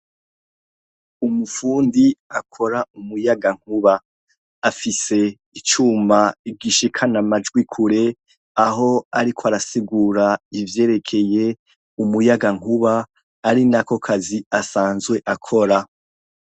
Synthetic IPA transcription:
umufuːndiakʰo̞ɾaumujaɡaŋ̥huβaː | fise̞ | it͡ʃuːmaiɡiʃikʰanamad͡ʒɡwikʰuɾe̞ | aɦo̞aɾikʰoaɾasiɡuːɾaivje̞ːɾe̞kʰe̞je̞ | umujaɡaŋ̥uβaː | ɾinako̞kʰaziasaːnzɡwe̞ʔakʰo̞ɾa

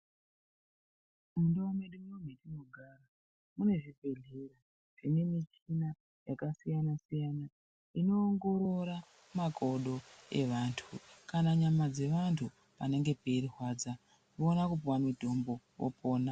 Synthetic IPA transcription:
mundoumeɗumiometino̞ɡʱara | mune̞ʐibʱe̞ɮe̞ra | ʐine̞mit͡ʃina | jakasijanasijana | ino̞ːŋɡo̞ɾoɾa | mako̞ɗo̞e̞ʋantʰukanaɲamad͡ze̞ʋantʰu | pane̞ŋɡe̞perirwad͡za | ʋoːnakup̬uwamidʱo̞mbo̞ | wo̰pʰoːna

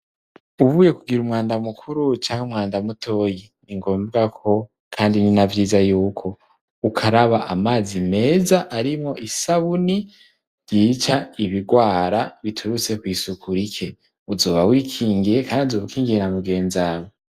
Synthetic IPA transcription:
uβuːje̞kuɡiɾumŋaːndamukʰuɾut͡ʃaːŋhumŋaːndamutʰo̞ːji | niŋɡo̞ːmbɡakʰo̞ | kʰaːndininavjizajuːkʰo̞ | ukʰaɾaβaʔamaːzime̞ːzaʔaɾimo̞ʔisaβuni | ɾjiːt͡ʃaiβiɡwaːɾaβitʰuɾut͡se̞kwiːsukʰuɾikʰe̞ | uzo̞ːβawiːkʰiːŋɡiɾe̞kʰaːndiuzoβukiːŋɡiɾenamuɡe̞ːnzawo

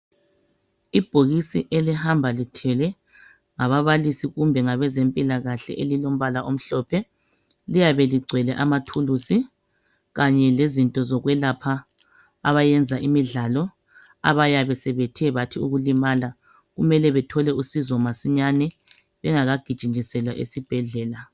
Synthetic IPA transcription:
ib̥ʱoɣisiʔelihambʱalitʰɛlɛ | ŋaβaβalisiɣumbʱɛŋaβɛzempʼilaɣaɬɛ̰ʔelilom̩βalaʔom̩ɬɔpʰɛ | lijaβɛliɡ͡ǀʱɛlɛʔamatʰulusi | ɣaɲɛlezintʼɔzɔɣwɛlapʰa | a̰βajɛnd͡zʱaʔimiɮalɔ | a̰βajaβɛsɛβetʰɛβatʰiuɣulimala | ɣumɛlɛβɛtʰɔlɛusizɔmasiɲanɛ | βɛŋaɣaɡ̥ʱid̥ʒ̥ʱind͡ʒisɛlwaʔḛsib̥ʱɛɮɛːla

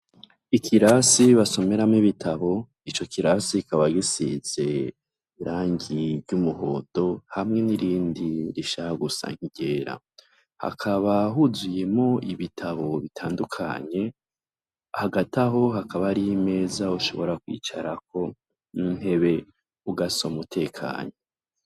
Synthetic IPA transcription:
ikʰiɾasiβaso̞me̞ɾamŋiβitʰaβo̞ | it͡ʃo̞kʰiɾasikaβaɡisiz̥e̞ | iɾaːɲɟivɟumuho̞̰ːto̞hamŋe̞niɾiːndiɾiʃahaɡusa̰ŋ̥iɟe̞ːɾa̰ | ha̰kʰaβaɦuzuje̞mo̞iβitʰaβo̞βitʰaːndukʰa̰ɲe̞ | ahaɡataɦo̞ɦakaβaɾiime̞ːzauʃo̞̰βo̞ɾakwḭːt͡ʃaɾak̚ʰo̞ | niŋe̞βe̞ | uɡasomutʰe̞ːkʰa̰ːɲo̞

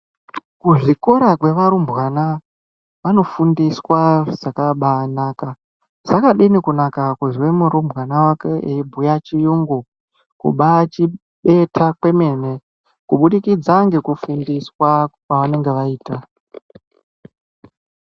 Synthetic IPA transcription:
kuʐikoɾakwe̞ʋaɾumbwana | ʋano̞fundiswaz̥akaɓanaːka | z̥akaɗinikunakakuʐwemuɾumbʱwanawake̞ebʱujat͡ʃijuŋɡu | kṵɓat͡ʃi | ɓe̞tʰakwe̞me̞ːne̞ | kuɓuɗikid͡zaŋɡekufundiswak̚waʋane̞ŋɡe̞ʋaiːta

